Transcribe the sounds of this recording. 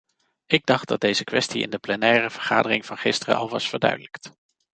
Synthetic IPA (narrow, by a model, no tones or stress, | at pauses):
ɪɡ̚dɑχd̚dɑd̚dejzəkʋɛstiɪ̰ndəplɛnɛːrəv̥əɹχa̰ːdərɪŋvɑnχɪstərə̰ʔɑlˠʋɑsfəɹdœ̰ɥdələkt